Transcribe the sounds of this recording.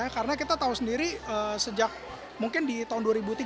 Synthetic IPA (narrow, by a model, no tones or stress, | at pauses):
akaɾənakit̪at̪aʊsəndiɾiəsəd͡ʒak̚ | muŋkɪndit̪aɦʊnduaɾibut̪i